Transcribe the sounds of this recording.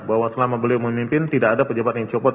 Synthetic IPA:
bawasəlamabəliməmimpɪnt̪idakadapəd͡ʒabat̪̚jaŋt͡ʃɔpɔ

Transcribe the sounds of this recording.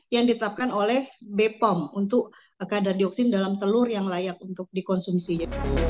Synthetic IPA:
jaŋdit̪ət̪ap̚kanolɛhbepɔmunt̪ʊk̚ | kadardiɔk̚sɪndalamt̪əlʊrjaŋlajak̚unt̪ʊk̚dikɔnsumsid͡ʒa

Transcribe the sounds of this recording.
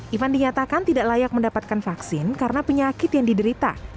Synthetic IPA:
ʔifandiɲat̪akant̪idaʔlajak̚məndapat̪̚kanfaksɪnkaɾənapəɲakɪt̪jaŋdidəɾit̪a̰

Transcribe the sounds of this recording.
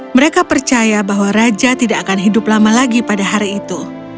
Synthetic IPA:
məɾekapərt͡ʃajabaɦwaɾad͡ʒat̪idaːkanɦidʊplamalaɡipadaɦaɾiːt̪u

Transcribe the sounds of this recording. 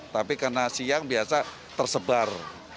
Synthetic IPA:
t̪apikarnasiaŋbiasa | t̪ərsəbar

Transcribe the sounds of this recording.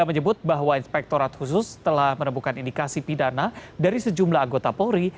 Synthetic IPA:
aməɲəbʊt̪̚baɦwainspɛk̚t̪oɾat̪hus̬ʊst̪əlahmənəmbukanindikasipidanadaɾisəd͡ʒumlaɦaŋɡot̪apoɾi

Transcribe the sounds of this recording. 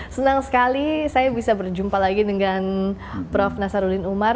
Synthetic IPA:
sənaŋsə̥kalisajabisabərd͡ʒumpalaɡidəŋan | pɾɔfnasaɾudɪnumar

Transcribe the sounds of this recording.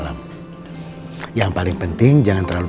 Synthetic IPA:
lam | jaŋpalɪŋpənt̪ɪŋd͡ʒaŋant̪əɾlalu

